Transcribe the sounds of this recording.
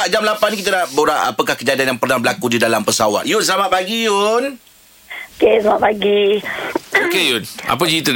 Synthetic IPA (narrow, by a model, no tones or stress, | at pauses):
aʔd͡ʒamlapankit̪anaʔboɾaʔa̰pəkahkəd͡ʒadianjaŋpərnabəlakudidalampəsawa̰t̪̚jʊns̬əlamaʔ̪̚paɡijun | okeslamaʔpaɡi | okejʊna̰p̬əd͡ʒiit̪u